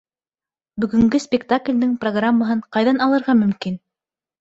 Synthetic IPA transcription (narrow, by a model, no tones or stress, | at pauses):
bɵ̆ɡɵ̆ŋɡɘspʲɪkt̪aklʲd̪ɘŋproɡramːaɦɤɴqɑjðɑnɑlˠɤ̆ɾʁɑmɵ̆mkin